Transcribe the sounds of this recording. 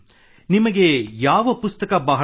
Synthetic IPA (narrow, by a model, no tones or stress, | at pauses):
nimɐɡe̞jaːʋɐpust̪ɐkɐbɐɦɐ